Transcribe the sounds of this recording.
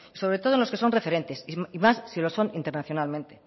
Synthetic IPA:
iso̞βɾe̞t̪oonloke̞so̞nrefe̞ɾe̞nt̪e̞simasːilo̞so̞nint̪e̞ɾnaθjo̞nalmẽnt̪e̞

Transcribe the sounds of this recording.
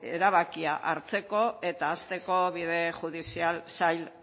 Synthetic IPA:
ḛɾaβ̞akiaʔaɾt͡se̞ko̞e̞t̪aːst̪e̞ko̞βið̞e̞xuð̞isialsajl

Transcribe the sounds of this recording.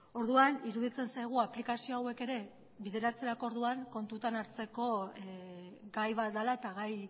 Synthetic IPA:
o̞ɾðuaniɾuðit͡se̞nsajɣ̞uaplikasio̞awe̞ke̞ɾe̞ | βiðe̞ɾat͡se̞ɾako̞ɾðuaŋko̞nt̪ut̪anaɾt͡se̞ko̞ | ɡajβat̪̚d̪alae̞t̪aɣaj

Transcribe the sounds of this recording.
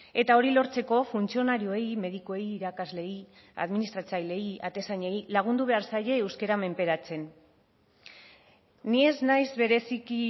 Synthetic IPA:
e̞t̪ao̞ɾilo̞ɾt͡se̞ko̞funt͡sio̞naɾioe̞jme̞ð̞ikoe̞jːɾakazle̞j | a̰ðminist̪ɾat͡sajle̞ja̰t̪e̞saɲe̞jlaɣ̞und̪uβe̞aɾsaje̞ːwskeɾame̞mpe̞ɾat͡se̞n | ie̞znajzβe̞ɾe̞siki

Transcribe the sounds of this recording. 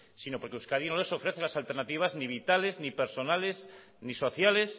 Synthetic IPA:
sinopoɾkeuskaðinole̞so̞fɾe̞θelasalt̪eɾnat̪iβ̞azniβ̞it̪ale̞znipeɾso̞nales | niso̞θjale̞s

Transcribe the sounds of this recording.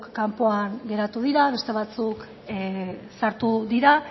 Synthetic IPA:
kːampoaŋɡe̞ɾat̪uð̞iɾaβe̞st̪e̞β̞at͡suk | saɾt̪uðiɾa

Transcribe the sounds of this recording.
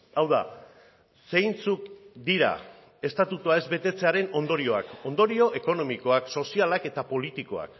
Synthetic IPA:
awða | se̞jnt͡sukd̪iɾa̰ | e̞st̪at̪ut̪uae̞zbe̞t̪e̞t͡se̞aɾe̞no̞nd̪o̞ɾio̞a̰ko̞nd̪o̞ɾio̞ʔe̞ko̞no̞miko̞akso̞sialake̞t̪apo̞lit̪iko̞a̰k

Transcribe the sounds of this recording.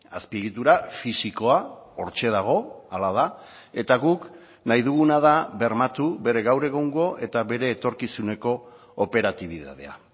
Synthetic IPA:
aspieɣit̪uɾafisiko̞ao̞ɾt͡ʃe̞ð̞aɣ̞o̞alað̞a | e̞t̪aɣuk | najðuɣunað̞aβe̞ɾmat̪ube̞ɾe̞ɣawɾe̞ɣoŋɡo̞ʔe̞t̪aβe̞ɾe̞ːt̪o̞ɾkisune̞ko̞ː | pe̞ɾat̪iβ̞iða̰ð̞e̞̰a̰

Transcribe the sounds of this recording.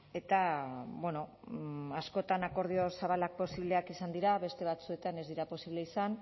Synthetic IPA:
e̞t̪aβwe̞no̞ | asko̞t̪anako̞ɾð̞io̞saβ̞alak̚po̞siβle̞akisand̪iɾaβe̞st̪e̞β̞at͡sue̞t̪ane̞zd̪iɾapo̞siβle̞isan

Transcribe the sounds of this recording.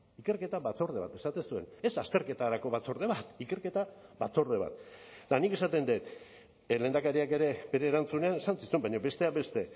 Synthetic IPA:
ike̞ɾke̞t̪aβat͡so̞ɾð̞e̞βa̰t̪esat̪esue̞̰ne̞sast̪e̞ɾke̞t̪aɾako̞βat͡so̞ɾðe̞βat̪ike̞ɾke̞t̪aβat͡so̞ɾðe̞β̞a̰t̪d̪anike̞sat̪e̞nd̪et̪ | le̞nd̪akaɾiake̞ɾe̞be̞ɾe̞ːɾant͡sune̞ane̞sansisuembaɲo̞be̞st̪e̞abe̞st̪e̞

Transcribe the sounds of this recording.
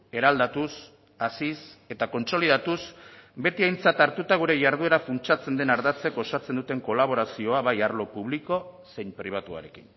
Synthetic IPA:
e̞ɾald̪at̪us | asise̞t̪ako̞nso̞lið̞at̪usbe̞t̪iajnt͡sat̪aɾt̪ut̪aɣ̞uɾe̞ʝaɾð̞ue̞ɾafunt͡ʃat͡se̞nd̪e̞naɾðat͡se̞ko̞sat͡se̞nd̪ut̪e̞ŋko̞laβ̞o̞ɾasio̞aβajaɾlo̞puβ̞liko̞se̞jɲpɾiβ̞at̪ua̰ɾe̞kḭn

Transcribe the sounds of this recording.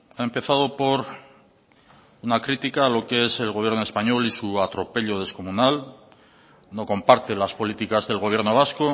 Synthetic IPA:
aempe̞θaðo̞po̞ɾ | unakɾit̪ikalo̞kee̞se̞lɣo̞β̞je̞ɾnoe̞spaɲo̞lisuat̪ɾo̞pe̞ʎo̞ð̞e̞sko̞munal | no̞ko̞mpaɾt̪e̞laspo̞lit̪ikazðe̞lɣo̞β̞je̞ɾno̞β̞asko̞

